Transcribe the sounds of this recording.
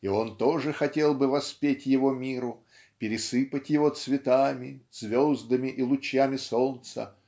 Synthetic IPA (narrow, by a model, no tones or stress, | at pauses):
io̞nt̪o̞ʐɨxɐtʲe̞lˠbɨvɐspʲetʲjɪvo̞mʲiɾʊ | pʲɪɾʲɪsɨpətʲjɪvo̞t̪svʲɪt̪amʲɪz̥vʲozd̪əmʲɪʔilˠʊt͡ɕjamʲɪso̞nt̪sə̰